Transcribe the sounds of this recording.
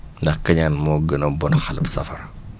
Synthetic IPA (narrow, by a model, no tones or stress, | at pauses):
ndɐxkɐɲaːnmɔːɡənɐbɔnxɐlɐpsɐ̰fɐ̰r